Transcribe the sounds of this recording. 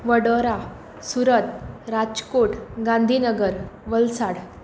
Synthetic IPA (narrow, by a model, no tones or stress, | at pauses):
ʋəɽəɾa | suɾət̪̚ɾad͡ʑkoʈɡãnd̪ʱiːnəɡəɾʋəlsaɽ